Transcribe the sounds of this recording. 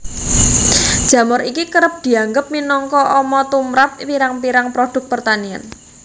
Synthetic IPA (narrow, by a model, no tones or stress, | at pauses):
d̥ʒ̥ä̤mʊɾikikəɾəp̚d̪̥i̤aŋɡəp̚minɔŋkɔʔɔmɔt̪umɾap̚piɾaŋpiɾaŋpɾod̥ʊ̤k̚pərt̪ania̰n